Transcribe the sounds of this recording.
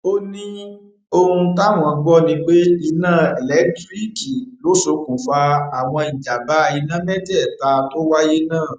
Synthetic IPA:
o˦nĩ˦ | o˧hũ˧ta˦˨w̃ɔ̃˨˧ɡ͡bɔ˦nĩ˧ɡ͡be˦i˧nãː˦˨ɛ˨lɛ˨˦ktɾi˦ki˨lo˨˦so˧˦kũ˨fa˧a˨w̃ɔ̃˧i˨d͡ʒa˨ba˨˦˧i˧nã˦mɛ˦dɛ˦˨ta˧to˦wa˦je˦nãː˦˨

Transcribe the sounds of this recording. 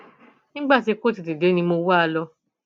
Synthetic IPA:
nĩ˦ɡ͡ba˦˨ti˧˦˧ko˦ti˨ti˨de˨˦nĩ˧mo˧wa˦˧lɔ˧

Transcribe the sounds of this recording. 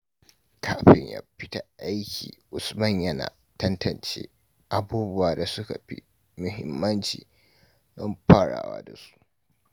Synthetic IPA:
kʰaː˦ɸɪ˨ɲja̰ː˨˦ɸɪ˦ta˨ʔa˦jkʲḭː˨ʔʊ˨smɐ˦ɲjɐ˦na̰ː˨ | tɐ˦ntʰɐ˨nt͡ʃḛː˦ | ʔa˨buː˦bʊ˦waː˨da˨sʊ˦ka˨ɸḭ˦ | mʊ˨ɦɪ˦mːɐ˦nt͡ʃḭː˨ | dɐ˦mɸaː˦˨ɽa̰ː˨wa̰ː˦da˨su̥˦ʔ

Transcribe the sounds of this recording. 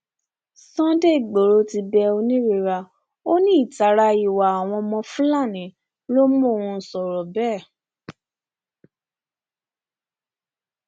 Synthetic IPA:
sɔ̃˦de˦˨ɡ͡bo˨ɾo˧˦ti˧bɛ˧o˧nĩ˦ɾe˧˨ɾa˧ | o˦nĩ˦˨ta˨˦ɾa˧i˨wa˨a˨w̃ɔ̃˧mɔ̃˧fũũ˦la˦˨nĩ˨˦ | lo˦mũ˦˨ũ˧sɔ˨ɾɔ˨bɛ˦˨

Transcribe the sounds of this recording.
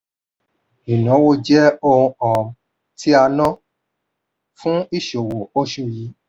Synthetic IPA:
i˨nã˨˦wo˦˧d͡ʒɛ˦o˧ũ˧ɔ̃˨ | ti˦a˧nɔ̃˦ | fũ˦i˦˨ʃo˨wo˨o˦ʃu˧ji˨˦

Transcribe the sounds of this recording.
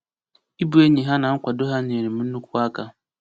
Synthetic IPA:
i˦bu˦e˦ɲi˨ɦa˦na˨ŋ̩˦kʷa˨do˦ɦa˦ne˨ɾe˨m̩˨mu˦u˦kʷu˦a˦ka˦

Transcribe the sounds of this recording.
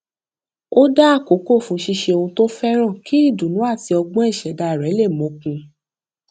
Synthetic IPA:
o˦da˦a˦˨ko˨˦ko˦˨fũ˨˦ʃi˧ʃe˧o˧hũ˧to˦fɛ˦ɾ̃ã˦˨ki˦i˦˨dũ˨nũ˨˦a˦˨ti˧ɔ˧ɡ͡bɔ̃˦ɛ˦˨ʃɛ˨˦da˧˨ɾɛ˨˦le˦˨mõ˨˦kũ˧

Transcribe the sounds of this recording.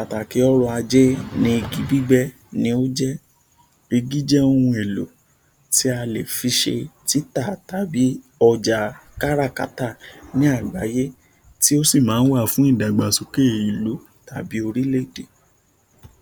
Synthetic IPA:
a˨ta˨ke˨˦ɔ˦ɾɔ˧a˧d͡ʒɛ˦nĩ˧˦i˧ɡi˨˦bi˦ɡ͡bɛ˦ | nĩ˧˦o˦d͡ʒɛ˦ | e˧ɡi˦d͡ʒɛ˦o˧hũ˧e˨lo˨˦ | ti˦a˧le˨fi˧˦ʃe˧ti˦ta˦˨ta˨˦bi˨˦ | ɔ˧d͡ʒa˨ka˦ɾa˦˨ka̰˦ta˦˨nĩ˨˦a˦˨ɡ͡ba˨˦je˦ | ti˦o˦si˦˨mãː˨˦n̩˦wa˦˨fũ˨˦i˦˨da˨ɡ͡ba˨so˨ke˦˨i˨lo˨˦ | ta˨bi˨˦o˧ɾi˦le˦˨de˨

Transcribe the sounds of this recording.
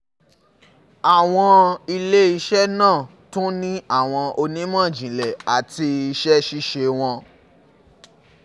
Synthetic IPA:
a˨w̃ɔ̃˧i˧le˦i˧ʃɛ˦nãː˦˨ | tũ˦nĩ˦a˦˨w̃ɔ̃˧o˧nĩ˦mã˦˨d͡ʒĩ˨lɛ˨a˨ti˧i˧ʃɛ˦ʃi˦ʃe˧w̃ɔ̃˧

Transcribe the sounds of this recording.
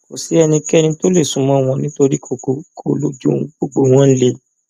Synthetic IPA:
ko˨si˨˦ɛ˧nĩ˧kɛ˦˨nĩ˧to˦le˦˨sũ˨˦mɔ̃˨˦˨w̃ɔ̃˧nĩ˦to˧ɾi˦kʰo˨ko˨kʰo˨lo˨˦d͡ʒṵ˦ɡ͡bo˦˨ɡ͡bo˨w̃ɔ̃˦n̩˦le˦

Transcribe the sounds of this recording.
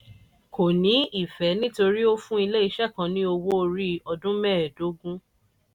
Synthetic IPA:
kʰo˨nĩ˨˦i˦˨fɛ˨˦nĩ˦to˧ɾi˦o˦fũ˦i˧le˦i˧ʃɛ˦˨kã˨˧nĩ˦o˧wo˦˧ɾi˦ɔ˧dũ˦mɛ˦˨ɛ˨do˨˦ɡũ˦

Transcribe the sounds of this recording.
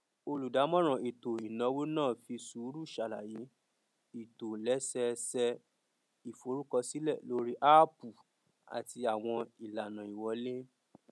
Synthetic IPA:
o˧lu˨da˨˦mɔ̃˦ɾ̃ã˨e˨to˨i˨nã˨˦wo˦nãː˦˨fi˧su˨˦ɾu˦˨ʃa˨la˨ji˨˦ | i˨to˨lɛ˨˦sɛ˧sɛ˧ | i˨fo˨˦ɾu˦kɔ˧si˦lɛ˦˨lo˦ɾi˦ʔa˦pu˨ | a̰˨ti˧a˨w̃ɔ̃˧i˨la˨nã˨i˨wɔ˨˦le˦

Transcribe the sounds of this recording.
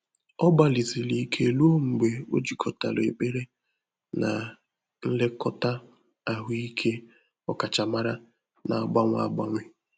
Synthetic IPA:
ɔ˦ba˨li˨zi˨li˨˦kʰe˦e˨lu˦o˦ŋ͡m̩˨ɡ͡be˨o̰˦d͡ʒi˨kʰɔ˨ta˨le˨e˨k͡pe˦ɾe˦ | na˨ | n̩˦le˦kɔ˦ta˦ | a˨ɦʊ˦i˦kʰe˦ | ɔ˦ka˨t͡ʃa˨ma˦ɾa˦ | na˨a˨ɡ͡ba˦ŋʷ˦a̰˨ɡ͡ba˦ŋʷɪ˦

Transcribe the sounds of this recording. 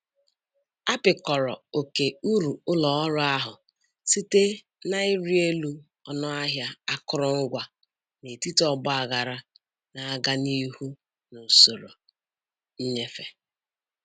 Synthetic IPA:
a˦pɪ˨kɔ˨ɾɔ̰˨o˨ke˨u˦ɾu˨ʊ˦lɔ˨˦ɾʊ˦a˦ɦʊ˨ | si˦te˦ | na˦ɪ˦ɾi˦e˦lu˦ | ɔ˦nɔ˦a˦ɦja˦a˦kʊ˦ɾʊ˦ŋ̩˦ɡʷa˨ | ne˨ti˦tɔ˦ɡ͡bʊ˦a˨ɣa˨ɾa˦ | na˨a˦ɡa˦ni˦hu˦ | no˨so˨ɾo˨˦ | ɲe˦fe˨

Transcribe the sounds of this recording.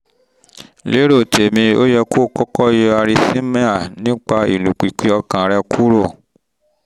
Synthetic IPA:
le˦ɾo˦˨te˨mĩ˧o˦jɛ˧ko˦˨kɔ˦kɔ˦je˦˧a˧ɾi˧sĩ˦mɛ̃˦a˦˨nĩ˦k͡pa˧i˨lũ˨k͡pi˨k͡pi˨˧ɔ˧kã˨ɾɛ˧kʰu˦ɾo˦˨

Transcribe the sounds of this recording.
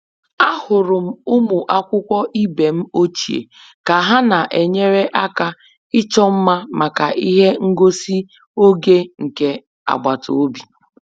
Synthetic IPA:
a˦hʊ˨ɾʊ˨m̩˦ʊ˦mu˨ʔa˦kʷʊ˦kʷɔ˦ʔi˦be˨m̩˦o˦t͡ʃi˨ḛ˨ | ka˨ɦa˦na˨ʔe˨ɲe˦ɾe˦ʔa˦ka˦ | ɪ˦t͡ʃɔ˦m̩˦ma˦ma˨ka˨ʔi˦ɦe˦ŋ̩˦ɡo˦si˦ | o˦ɡe˦ŋ̩˨ke˨ | a̰˨ɡ͡ba˨tʰo̰˨o˦bi˨

